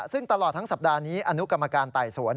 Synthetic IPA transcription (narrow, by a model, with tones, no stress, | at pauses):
sɯ˥˩ŋt̪a˧lɔː˨˩t̪ʰːa˦˥ŋsa˨˩p̚daː˧niː˦˥ʔa˧nu˦˥ka˧mːa˧kaː˧nt̪aː˨˩jsu˩˦ən